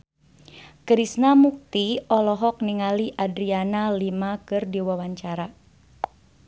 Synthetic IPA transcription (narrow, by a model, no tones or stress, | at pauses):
kɾisnamuk̚t̪iɔlɔɦɔk̚niŋaliʔadɾianalimakɨrdiwawaɲt͡ʃaɾa